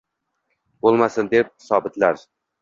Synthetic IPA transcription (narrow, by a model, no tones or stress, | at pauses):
bolˠmasɪnd̪ep̚hsɒbɪt̪laɾ